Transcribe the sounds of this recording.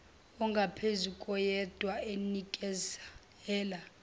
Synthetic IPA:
ɔŋɡʱapʰezukʼɔjɛd̥ʱwaenikʼɛz | ɛːla

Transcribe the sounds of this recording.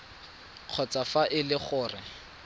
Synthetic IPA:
q͡χʰɔt͡safaʔɪlɪχʊːrɪ

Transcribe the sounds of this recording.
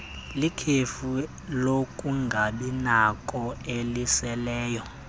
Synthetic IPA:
likʰefu | lokʼuŋɡʱaɓinakʼɔelisɛlɛːjɔ

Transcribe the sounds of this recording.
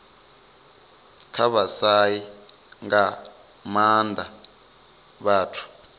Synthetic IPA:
kʰaβasaji | ŋɡa | mandʱa | βaːtʰu̥

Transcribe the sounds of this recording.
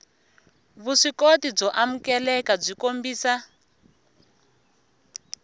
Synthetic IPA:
βuʂikotib͡ʐɔʔamukɛlɛkab͡ʐikombiːsa

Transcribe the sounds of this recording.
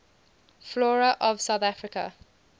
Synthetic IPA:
flɔːɹəʔɔv̥saʊθafɹɪkə̰

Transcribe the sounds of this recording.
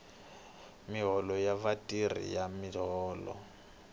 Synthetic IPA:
miɦɔlɔjavatʼirḭjamiɦɔːlɔ̰

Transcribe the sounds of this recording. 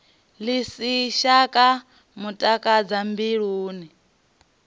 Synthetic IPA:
lisiʃakʼa | mutʼakʼad͡zambiɺuːni

